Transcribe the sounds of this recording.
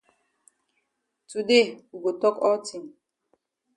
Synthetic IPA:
tu˨de˦˨u˨ɡo˨tɔ˦kɔ˦ti˨m

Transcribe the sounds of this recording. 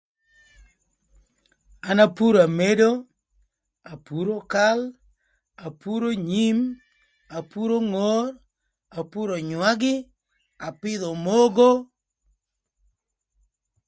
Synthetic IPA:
a˨na˦pu˦ɾa˨me˦do˦ | a˨pu˦ɾo˦ka˦l | a˨pu˦ɾo˦ɲi˦m | a˨pu˦ɾo˦ŋo˦r | a˨pu˦ɾo˨ɲwa˦ɡɪ˦ | a˨pɪ˦d̪ɔ˨mo˦ɡo˦

